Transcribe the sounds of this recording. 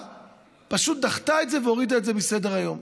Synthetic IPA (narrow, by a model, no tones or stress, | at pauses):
paʃut̚d̪aχtaetze̞veo̞ʁidaetze̞bise̞de̞ʁajo̞m